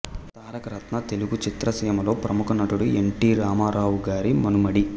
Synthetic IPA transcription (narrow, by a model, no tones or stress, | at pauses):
t̪aːɾɐkɐɾɐt̪nɐt̪eluɡut͡ʃit̪ɾɐsiːmɐlo̞ːpɾɐmukɐnɐʈuɽueɳʈiːɾaːmaːɾaːwuɡaːɾimɐnumɐɽi